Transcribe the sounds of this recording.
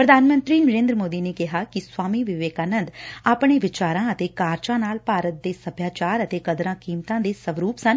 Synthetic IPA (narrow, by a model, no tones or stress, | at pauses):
pɾəd̪ʱaːnmə̃nt̪ɾiːnəɾẽːnd̪ɾəmoːd̪iːneːkɪɦaːkɪswaːmiːʋɪʋeːkaːnənd̪aːpɳ̃eːʋɪt͡ʃaːɾãːət̪eːkaːɾt͡ʃãːnaːlpaːɾət̪̚d̪eːsəbʰʱjaːt͡ʃaːɾət̪eːkəd̪ɾãːkiːmt̪ãːd̪eːsəʋɾuːpsən